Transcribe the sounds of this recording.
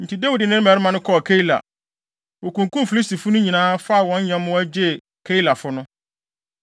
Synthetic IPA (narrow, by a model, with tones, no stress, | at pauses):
n̩˨tʰi˨da˦wi˨dɪ˨nɪ̃˦n˦mɛ˨ɾɪ˦mã˨nʊ̃˦kʰɔ˦˨kʰe˦i˦˨la̰˨ | wɔ˨kũ˨ŋkũ˦mfi˨li˦sti˨fʊ˦nʊ̃˦ɲĩ˨nãː˨˦fa˦a˨wɔ̃˨˦ɲ˦ɲã˦mʊ̃˦æ˦d͡ʑɛ˦˨ | kʰe˦i˦la˨fʊ˦nʊ̃˦